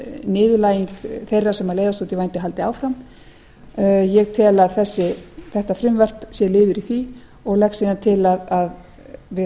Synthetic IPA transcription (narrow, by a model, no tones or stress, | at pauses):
nɪːðʏlaːjiŋkθejrːḁsɛmalejðast̪uːt̪ɪvajnt̪ɪɦalt̪ɪa̰ːwfɾam | jɛɣt̪ʰɛːlaðθɛsːɪθɛht̪afɾʏmvɛr̥psjɛlɪːðʏɾiθvi | ɔɣlɛxksiːðant̪ʰɪlaðað | vɪ